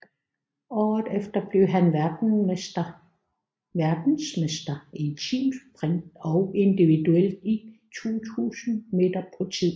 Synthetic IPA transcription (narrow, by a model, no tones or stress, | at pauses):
ɒdefd̥ɐb̥le̝ʊɦæn | d̥ɐ | ʋæɐd̥n̩smesd̥ɐet͡sʰḭːmspʰʁeŋd̥ɒ̽ʊe̝nd̥iʋid̥uel̰d̥it͡sʰṵːt͡sʰṵːsn̩me̝d̥ɐpʰɒt͡sʰið̰ˠ